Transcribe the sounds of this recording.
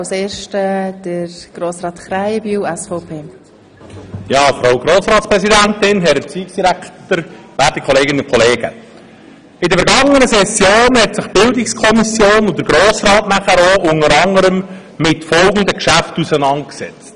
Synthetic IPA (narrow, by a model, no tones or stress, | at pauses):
wseːɾʃtəd̥əɾɡ̥ɾoːsɾɑːt̪χɾajbyːɛsfɔpʰeː | jɑːfɾaʊɡɾoːsɾɑːtspɾɛsidæntɪnɦɛɾət͡siːksd̥iɾæktəɾvæːtikʰɔleːɡɪnʊkʰɔleːɡ̥ə̰ | ɪdəfəɾɡɑŋənəsɛsjoːnhɛtsɪχb̥ɪldɪkskʰɔmisjoːnʊd̥əɾɡɾoːsɾɑːtnæχəɾoʔʊŋəɾɑŋəɾəm | mɪtfɔlɡən̩d̪əkʃæftusənɑnt̚ksɛ̰t͡st